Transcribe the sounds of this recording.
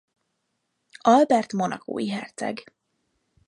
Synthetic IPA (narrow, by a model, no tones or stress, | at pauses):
ɒlbɛrt̪mo̞nɒko̰ːjiɦɛrt̪sɛ̰ɡ